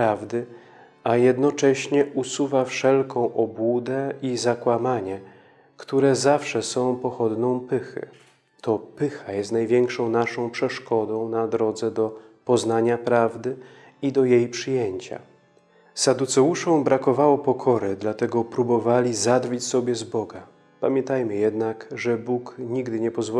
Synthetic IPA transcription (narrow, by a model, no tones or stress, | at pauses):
ɾavd̪ɘ | ajɛd̪nɔt͡ʂɛɕɲɛʔusuvafʂɛlkɔ̃w̃ʔɔbwud̪ɛizakwamaɲɛ | kt̪uɾɛzafʂɛsɔ̃w̃pɔxɔd̪nɔ̃w̃pɘxɘ̰ | t̪ʰɔpɘxajɛst̪najvʲjɛŋkʂɔ̃w̃naʂɔ̃w̃pʂɛʂkɔd̪ɔ̃w̃nad̪ɾɔd̪zɛd̪ɔpɔznaɲapɾavd̪ɘ | id̪ɔjejpʂɘjeɲt͡ɕa̰ | sad̪ut̪sɛuʂɔ̃w̃bɾakɔvawɔpɔkʰɔɾɘd̪lat̪ɛɡɔpɾubɔvalʲizad̪vɘt͡ɕsɔbʲjɛzbɔɡa | pamʲjɛ̃nt̪ajmɘjɛd̪nakʐɛbukɲiɡd̪ɘɲɛpɔzvɔ